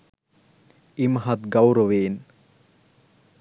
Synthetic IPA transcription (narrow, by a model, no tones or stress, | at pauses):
iməɦat̪ɡawɾəʋeːn